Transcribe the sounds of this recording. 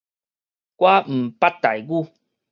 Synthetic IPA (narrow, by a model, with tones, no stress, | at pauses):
kwa˦m̩˨pa˦t̪a˨˩jɡu˥˦˨